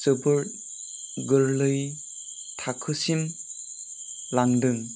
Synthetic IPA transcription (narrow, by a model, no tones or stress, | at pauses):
səbɯɾt̚ | ɡɯɾlɯj | tʰakʰɯsim | laŋdɯŋ